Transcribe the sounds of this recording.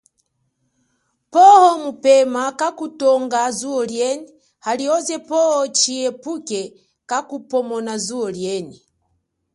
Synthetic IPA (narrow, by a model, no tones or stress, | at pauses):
pɔhɔmupɛmakakutɔŋɡazuɔljɛni | haliɔzɛpɔhɔt͡ʃiɛpukɛ | kakupɔmɔnazuɔljɛni